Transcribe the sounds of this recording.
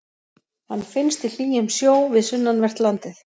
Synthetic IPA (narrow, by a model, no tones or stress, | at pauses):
hanːfɪnst̪il̥iːjɪmsjoːwvɪðsʏnːanvɛr̥t̪lant̪ɪθ